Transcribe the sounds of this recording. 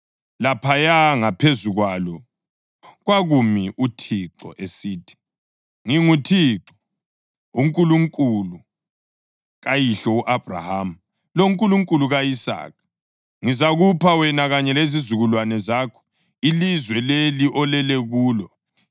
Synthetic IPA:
lapʰajaŋapʰezuɣwalɔ | ɣwaɣumiʔutʰiǁɔ̰ʔesiːtʰi̥ | ŋiŋutʰiǁɔ̥ | uŋkʼuluŋkʼulu | ɣajiɬɔuʔab̥ra̰hamu | loŋkʼuluŋkʼuluɣaisa̰ːk̚ʰ | ŋizaɣupʰawɛnaɣaɲɛlezizuɣulwanɛzaːkʰɔ̥ | ilizwɛleliʔɔlɛlɛɣuːlɔ

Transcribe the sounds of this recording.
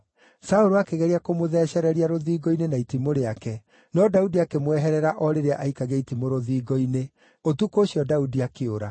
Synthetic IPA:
saoɾoakeɣɛɾiakomoðɛːɕɛɾɛɾiaɾoðiːɡɔinenaitimoɾeakɛ | nɔdaudiakemwɛɦɛɾɛɾaʔɔɾeɾeaʔaikaɣɛitimoɾoðiːɡɔine | otukoːɕjɔdaudiakeoɾa

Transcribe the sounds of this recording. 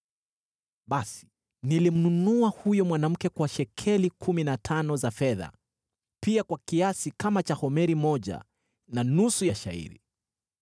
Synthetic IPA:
ɓasi̥ | nilim̩nunuahujɔmwanam̩kɛkwaʃɛkʰɛlikʰuminatʰanɔzafɛða̰ | piakwakiasikamat͡ʃahɔmɛɾimɔʄa̰ | nanusujaʃa̰ḭɾḭ

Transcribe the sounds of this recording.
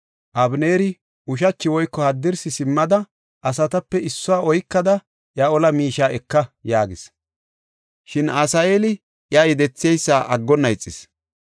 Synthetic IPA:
ʔɐbneːɾɪ | ʊʃɐt͡ʃːɪwɔjkːɔhɐd̪ːɪɾsɪsɪmːɐd̪ɐ | ʔɐsɐt̪ɐpːɛɪsːɔwaːɔjkːɐd̪ɐ | ʔjɐɔlɐmiːʃaːɛkːɐjaːɡɪs | ʃɪnaːsɐeːlɪ | ʔjɐjɛd̪ɛt͡sːɪɛjsːaːʔɐɡːɔnːɐjt͡sʼːɪs

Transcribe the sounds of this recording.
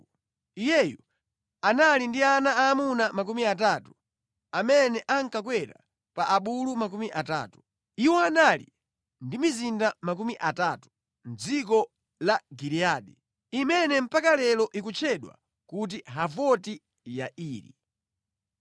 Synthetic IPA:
ijɛju | analindianaaːmunamak̬umiatatu̥ | amɛnɛʔaŋkakwɛɾa̰ | paʔaɓulumakumiʔata̰ːtu̥ | iwɔanalḭ | ndimizindamak̬umiʔatatu̥ | n̩d͡zik̬ɔ | laɡiɾiaːɗɛ | imɛnɛm̩pakalɛlɔʔikut͡ʃʰɛɗwa̰ | kut̬iɦavɔti | jaʔiːɾḭ

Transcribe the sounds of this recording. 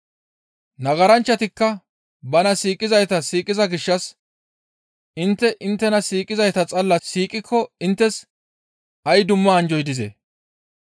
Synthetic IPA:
nɐɡɐɾɐnt͡ʃːɐt̪ɪkːɐ | bɐnɐsiːkʼɪzɐjt̪ɐsiːkʼːɪzɐɡɪʃːɐs | ɪnt̪ːɛʔɪnt̪ːɛnɐsiːkʼɪzɐjt̪ɐt͡sʼɐlːɐsiːkʼːɪkʰːɔɪnt̪ːɛs | ɐjd̪ʊmːɐːnd͡ʒɔjd̪ɪzḛ

